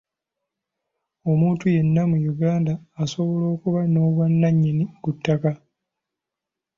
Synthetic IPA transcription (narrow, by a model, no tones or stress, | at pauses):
o̞muːntuje̞nːamujuɡaːndaːso̞βo̞lo̞ːkuβano̞ːβwanːaɲːinikutːaka